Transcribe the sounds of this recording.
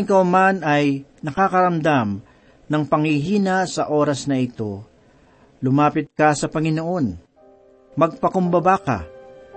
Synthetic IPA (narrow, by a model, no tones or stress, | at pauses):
ŋkɐwmanɐjnɐkakɐɾɐmd̪am | nɐŋpɐŋhɪɦiːnasɐʔo̞ːɾɐsnɐɪt̪o̞ | lʊmaːpɪt̪̚kɐsɐpɐŋɪno̞ʔo̞n | mɐɡ̚pɐkʊmbɐbaka̰